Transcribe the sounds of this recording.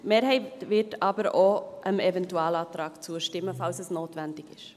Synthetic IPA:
meːɾɦɛɪtvɪtɑbəɾoʔəmɛvɛntuɑːlɑːtɾɑːkt͡suəʃtɪmːəfalsɛsnoːtvɛndɪkɪʃ

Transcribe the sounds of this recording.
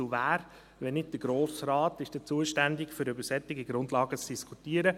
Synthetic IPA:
uvæːɾ | ʋɛnɪd̚d̥əɡ̥ɾoːsraːtɪʃd̥ɛt͡suəʃtændɪkfʏɾybəɾsɛt̪ːɪɡiɡɾʊndlɑːɡət͡sd̥iskʰutiəɾə

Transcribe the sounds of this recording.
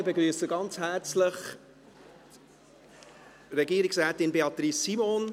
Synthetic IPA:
bəɡɾyːsəɡɑnt͡shæːɾt͡sləχ | ɾɛɡiːəɾɪksɾɛːtɪnbeɑtɾisːimon

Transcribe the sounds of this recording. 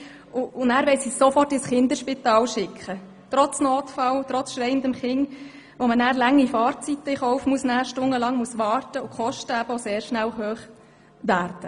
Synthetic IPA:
ʊʊnæːɾʋɛɪsisofɔrtɪsχɪnd̪əɾʃpit̪ɑːlʃɪkχə | tɾɔt͡snoːtfɑltɾɔt͡sʃɾɛɪənd̪əmχɪŋ | ʋomənæːɾlæŋːifɑːrt͡sit̪ːəiχɔwfmuəsnæːʃtʊŋəlɑŋmuəsʋɑːrtəʊkχɔʃtəæb̥əoseːɾʃnælhøːχ | ʋæːɾd̥ə

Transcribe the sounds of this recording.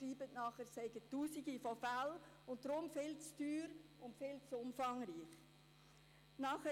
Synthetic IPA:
ɾiːbətnɑːχəsɛɪɡətːuːsiɡifɔfæl | ʊntɾʊmfɪlt͡sd̥yːɾʊntfɪlt͡sʊmfɑŋɾiːχ | nɑːχə

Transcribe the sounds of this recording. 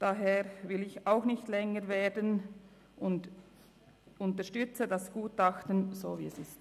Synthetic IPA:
d̥aɦeːʁvɪlɪçaʊxnɪçtlɛŋəʁveːdən | ʔʊnd | ʊntəʃtʏt͡sədasɡ̥uːtaxtənz̥oːvḭːɛsɪst

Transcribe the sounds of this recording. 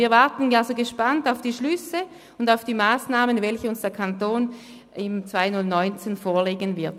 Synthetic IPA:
iːɐvaɐtn̩alsoɡəʃpantaʊfd̥iːʃlʏsə | ʊndaʊfd̥iːmaːsnaːmənvɛlçəʊnsd̥eːɐkʰantoːn | ɪmt͡sv̥aɪnʊlnɔʏnt͡senfoːɐleːɡənvɪɐt

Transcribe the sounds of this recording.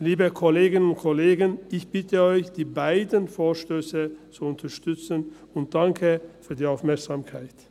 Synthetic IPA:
liːbəkʰɔleːɡɪnʊntkʰoleːɡənɪçb̥ɪtʰəɔʏçd̥iːbaɪdənfoːɐʃtøːsət͡suʊntʰɐʃtʏt͡sən | ʊnt̚d̥aŋkʰəfyːɐdiːaʊfmɛɐksaːmkʰaɪt

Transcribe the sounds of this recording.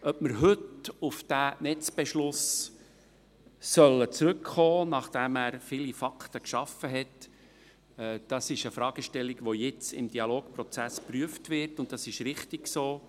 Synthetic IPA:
œpməɾɦɵtʊfd̥ænɛt͡sb̥ɛʃlʊs | sœlːət͡sɾʉkχoːnɑχd̥æmæːɾfilifɑktəkʃɑfəɦɛt | ɛd̥ɑsɪʃəfɾɑːɡ̥əʃtɛlːiɡʋojɪt͡sɪ̰md̥iɑloːkpɾɔt͡sæspryəftʋɪɾtʊnt̚d̥ɑsɪʃɾɪχtɪksoː

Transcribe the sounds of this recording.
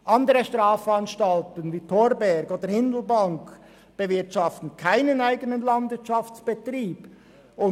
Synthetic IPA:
ʔɑndəɾəʃtʁaːfɑnʃtɑltənviːtʰoːɾbɛɾɡoːd̥əhɪndl̩bɑŋk | b̥əvɪɐtʃɑftn̩kʰaɪnənaɪɡənənlɑndvɪɐtt͡ʃɑft͡sb̥etriːb | ʊ

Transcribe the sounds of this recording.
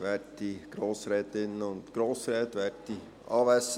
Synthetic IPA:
ʋɛɾtiɡ̥ɾoːsɾɛːt̪ɪnəʊntɡ̥ɾoːsɾɛːt̪ʋɛɾti | ʔɑːʋæs

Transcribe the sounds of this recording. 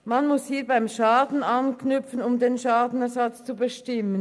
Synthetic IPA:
manmʊshiːɐbaɪmʃaːdn̩ɑnknʏpp͡fənʊmdeːnʃaːdn̩ɛɐzat͡st͡subəʃtɪmən

